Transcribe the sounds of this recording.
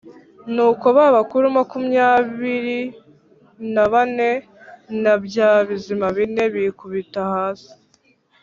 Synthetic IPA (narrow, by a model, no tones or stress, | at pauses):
nuːko̞βaβakuɾumakumɲaːβiɾi | naβane̞ | nabjaːβizimaβine̞βikuβitahaːsi̥